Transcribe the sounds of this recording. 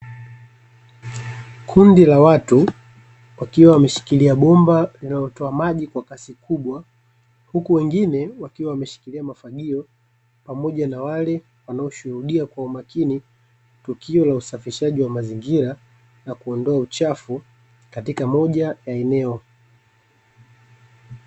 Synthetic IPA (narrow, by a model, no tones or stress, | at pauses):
kʰundilawatu | wakiwawamɛʃi̥kiliaɓɔmbalinalɔtɔamaʄikwakasikʰuɓwa | hukuwɛŋɡinɛwakiwawamɛʃi̥kiliamafaɠiɔ | pamɔʄanawalɛ | wanaɔʃuhuɗiakwaumakini | tukiɔlausafiʃaʄiwamaziŋɡiɾa | nakuɔndɔaut͡ʃafu | katikamɔʄajaɛnɛɔ